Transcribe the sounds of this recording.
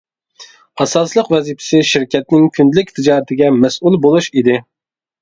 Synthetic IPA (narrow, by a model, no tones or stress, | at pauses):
ɑsɑslˠəqvɛzipʰɪ̥sɪʃɪɾkʲʰɛt̪̚nɪŋkʲʰynd̪lɪkʲt̪ʰɪd͡ʒɑːɾɨt̪ʰɪɡʲɛmɛsʔulˠbolˠuʃid̪ɪ